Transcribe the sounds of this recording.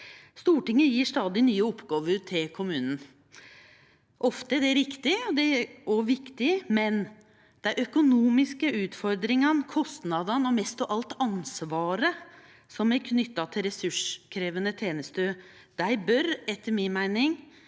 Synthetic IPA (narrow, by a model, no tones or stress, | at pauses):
st̪uːʈɪŋːəjiːʂt̪ɑːd̪ɪnyːəɔpːɡɑːʋəɾʈʰɪlkʰʊmʉːnən̩ | ʔɔft̪əɖæɾɪkt̪ɪɔd̪ɛɔʋɪkt̪ɪmɛn | d̪̥ɛʔœkʊnuːmɪskəʉːt̪fɔɾd̪ɾɪŋɑnkʰɔst̪nɑd̪ɑnɔmɛst̪ɔʔɑlt̪ɑnsʋɑːɾə | sɔmæɾkʰnʏt̪ːɑt̪ʰɪlɾɛsʉʂkʰɾeːʋənət̪ʰeːnəst̪øː | d̪̥æɪbœɾɛt̪ʰːəɾmɪnmæɪnɪŋ